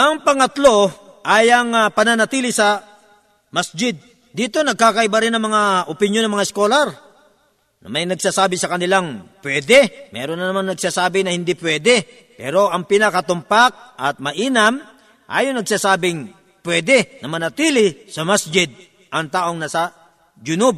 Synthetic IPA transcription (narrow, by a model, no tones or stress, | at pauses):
ʔɐŋpɐŋɐt̪lo̞ʔaːjɐŋɐpɐnanɐt̪iːlɪsɐ | masd͡ʒɪd̪̚ː | iːt̪o̞nɐɡ̚kaːkɐʔɪbɐɾɪnɐŋmɐŋaʔopɪnjonɐŋmɐŋaɪskolaɾ | nɐ̰mɐjnɐɡsaːsaːbɪsɐkɐnɪlaŋpwɛːd̪ɛmɛ̰ːɾonːɐnɐmaŋnɐɡ̚saːsaːbɪnɐhɪnd̪ipwɛːd̪ɛ | pɛːɾo̞ʔɐŋpɪnɐkɐt̪ʊmpak̚ʔɐt̪̚mɐʔiːnɐm | ʔa̰ːjoŋnɐɡ̚saːsaːbɪŋ | pwɛːd̪ɛnɐmɐnɐt̪iːlɪsɐmasd͡ʒɪd̪̚ | ʔɐŋt̪aːʔoŋnɐsɐ | d͡ʒʊnʊb̚